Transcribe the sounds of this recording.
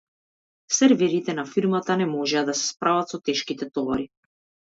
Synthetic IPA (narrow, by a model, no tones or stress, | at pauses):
sɛɾvɛɾit̪ɛnafiɾmat̪anɛmɔʒɛad̪asɛ̥spɾavat̪sɔt̪ɛʃkit̪ɛt̪ɔvaɾi